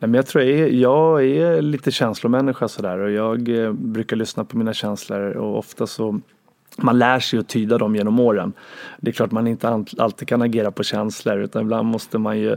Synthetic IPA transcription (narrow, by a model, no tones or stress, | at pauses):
nɛmɛnjɑt̪ʰɾuːɾjɑːɡɛliːt̪əɕɛnslʊmɛnːɪɧasɔd̪æːɾɔjɑːɡbɾʉ̟ːkaɭʏsnapʰɔmiːnaɕɛnsləɾɔ̰ɔ̰ft̪asɔ | manlæːʂɛjɔt̪ʰyːd̪ad̪ɔmjeːnɔmoːɾə̰nd̪ɛklɑːʈamanɪnt̪əa̰lt̪ikʰanaɡeːɾapʰɔɕɛnsləɾʉ̟ːt̪anɪbland̪mɔst̪əmanjɵ